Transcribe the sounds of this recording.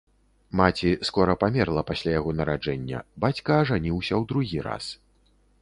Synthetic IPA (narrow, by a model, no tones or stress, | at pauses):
mat͡sʲiskɔɾɐpamʲɛrlˠɐpasʲlʲajaɣɔnɐɾad͡ʐɛnʲːɐ̰bat͡sʲkɐːʐanʲiwsʲɐwd̪ɾuɣʲiɾa̰s